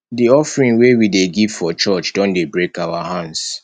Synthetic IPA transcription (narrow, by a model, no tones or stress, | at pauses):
diɔfɹĩŋwewideɡiv̥fɔt͡ʃɔt͡ʃd̥ɔ̃ndebɹekawahãnds